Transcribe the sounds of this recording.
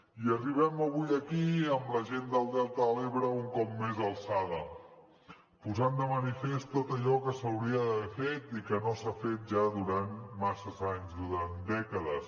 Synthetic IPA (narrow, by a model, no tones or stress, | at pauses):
iəriβ̞ɛməβujəkiəmləʒend̪əlˠd̪ɛlˠt̪əleβɾəuŋkɔp̚mezəlˠsaðə | puzand̪əmənifest̪ot̪əʎɔkəsəwɾiəfet̪ikənosafet̪̚ʒaðuɾanmasəzaɲzðuɾand̪ɛkəðəs